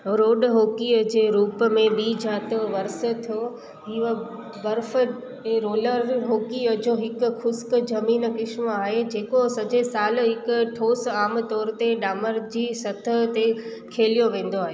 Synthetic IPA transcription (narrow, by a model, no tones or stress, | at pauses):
ɾoːɖɦoːkiəd͡ʑeːɾuːpmẽbiːd͡ʑaːt̪əʋɐɾsə̆t̪ʰijo | ɦiːʋ | bɐɾfə | eːɾoːləɾɦoːkiəd͡ʑõːɦɪkʊ̆xʊskd͡ʑɐmiːnkɪʃməaːɦed͡ʑeːkosɐd͡ʑesaːlɦɪkʊʈʰoːsaːmt̪ɔːɾt̪eɗaːməɾd͡ʑiːsɐt̪ʰə̆t̪ekʰeːlijoʋẽːn̆d̪oaːɦeː